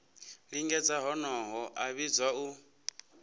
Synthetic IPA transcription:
ɺiŋɡɛd͡zaɦɔnɔɦɔʔaβid͡zwau

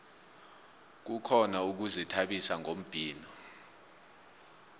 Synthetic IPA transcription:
k̬ukʰɔnauk̬uzɛtʰaɓisaŋom̩b̥ʱiːnɔ

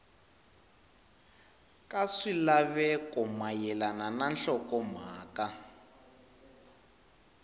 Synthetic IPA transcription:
kaʂilaβɛkʼɔmajɛlanananɬɔkɔm̤aːka

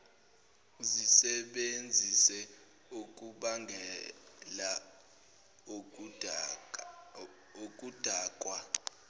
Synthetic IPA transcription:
zisɛɓend͡zʱisɛ | uk̬ʼuɓaŋʱɛla | ok̬ʼud̥ʱaːkʼwa

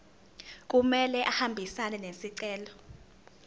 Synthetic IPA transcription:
k̬ʼumɛlɛʔahambʱisanɛnesiǀɛːlɔ

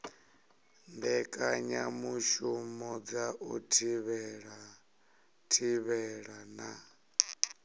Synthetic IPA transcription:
ndɛkʼaɲamuʃumɔd͡zaʔutʰiβɛɺa | tʰiβɛɺana

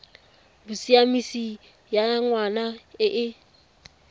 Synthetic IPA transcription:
busiamisi | jaŋwanaɪʔɪ

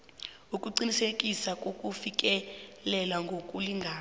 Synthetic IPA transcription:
ukʼuǀinisekʼisakʼokʼufik̬ʼɛlɛlwaŋɡʱokʼuliŋɡʱaː

